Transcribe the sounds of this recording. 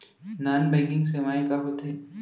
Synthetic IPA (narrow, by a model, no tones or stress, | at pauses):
naːnbɛ̃ːŋkɪ̃ŋɡsemaːẽkaɦoːt̪ɦɛː